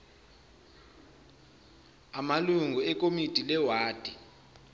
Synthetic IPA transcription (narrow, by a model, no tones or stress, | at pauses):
amaluŋɡʱuɛk̬ʼomid̥ʱʼilɛwaːd̥ʱʼi